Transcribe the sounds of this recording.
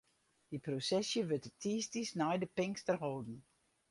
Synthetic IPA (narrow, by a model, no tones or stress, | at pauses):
d̥iprosɛsjəʋøtətʰiːstisnɛjdəpɪŋstərɦoːdn̩